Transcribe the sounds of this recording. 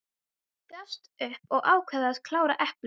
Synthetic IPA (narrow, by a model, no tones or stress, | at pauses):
kast̪ʏhpɔɣʔaːwkʰvɛðaðkʰlaːwɾaʔɛhpl